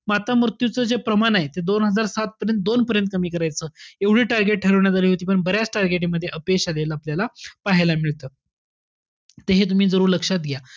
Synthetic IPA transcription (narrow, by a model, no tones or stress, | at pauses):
mat̪amɾt̪jut͡səːd͡zepɾəmanaɦet̪ed̪onɦəd͡zaɾsat̪̚pəɾjənt̪̚d̪onpəɾjənt̪̚kəmiːkəɾajt͡səːeʋɽ̤iːʈaɾɡeʈ̚ʈʰəɾəʋɳjat̪aliːɦot̪iːpəɳbəɾjat͡sʈaɾɡeʈ̬iməd̪ʱːjeʔəpekɕalelapljalapaɦelamiɭt̪əː | t̪eɦet̪̬um̤iːd͡zəɾuːɾləkʂat̪ɡeja